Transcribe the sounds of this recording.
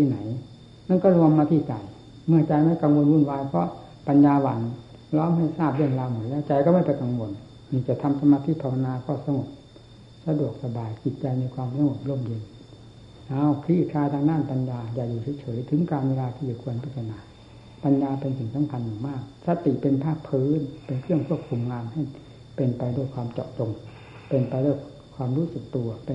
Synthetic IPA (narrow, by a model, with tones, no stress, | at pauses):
t̪iː˧˨na˨˩˦j | na˧˥˨nkɔː˥˩lu˧əmːaː˧t̪ʰiː˧˩t͡ɕa˨˩j | mɯ˧˩ɐt͡ɕa˧jma˥˩jka˧ŋwo˧nwu˧˥˨nwaː˧jpʰɔ̰˧˥ | pa˧njaː˧wa˧˩n | lɔː˦˥˨mha˧˩jsaː˥˩p̚lɯ˧˩ənlaː˧wmo˨˩˦t̪̚lɛː˦˥˩t͡ɕa˧˩jkɔː˥˩ma˥˩jpa˧jka˨˧ŋwo˧n | ni˧˩t͡ɕa˨˩˨t̪ʰa˧msa˧maː˧t̪ʰiː˧˥˨pʰa˧wa˧naː˧kʰɔː˧˩sa˧ŋo˨˩p̚ | sa˧du˨˩ək̚sa˧baː˨˧jt͡ɕi˨˩t̪̚t͡ɕa˧jni˧kʰwaː˧msa˧ŋo˨˩p̚lo˧˥˩mji˧n | ʔa˧˩˨wkʰɾiː˧˩t̪̚kʰaː˧t̪ʰaː˧ŋdaː˥˩˨npa˧njaː˧jaː˨˩k̚duː˨˩sʰiː˧˦t͡ɕʰɤː˩˦jt̪ʰɯ˨˦ŋkaː˧nweː˧laː˧t̪ʰiː˧˩t͡ɕa˨˩kʰu˧ənpʰa˧˥˩sʰa˧naː˨˦ | pa˧njaː˧pe˧nsi˨˩ŋsa˨˦mkʰa˧nja˨˩ŋmaː˥˩k̚sa˧t̪i˨˩˨pe˧npʰaː˥˩k̚pʰɯː˨˦npe˧nkʰɯ˥˩əŋkʰu˥˩əp̚kʰu˧mŋaː˧mha˧˥˩j | pe˧npa˧jduː˧˥˩jkʰwaː˧mt͡ɕɔ̰ː˨˩p̚t͡ɕo˧ŋ | pe˧npa˧jduː˧˥˩j | kʰwaː˧mɾuː˦˥sɯ˨˩k̚t̪u˧ɐpe˧